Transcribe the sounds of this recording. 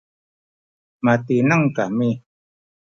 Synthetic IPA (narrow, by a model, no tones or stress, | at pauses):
mat̪inaŋkami